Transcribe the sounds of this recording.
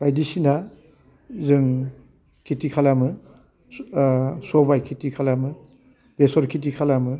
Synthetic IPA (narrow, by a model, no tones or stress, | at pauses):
b̥ajdisina | zɯŋ | kʰitikʰalamɯ | sɔbajkʰitikʰalamɯ | besɔɾkʰit̬ikʰalamɯ